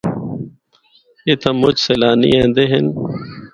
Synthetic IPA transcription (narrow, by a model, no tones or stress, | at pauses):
eːt̪ʰə̃mːʊd͡ʒseːlaːnḭːẽːnd̪eːɦɪn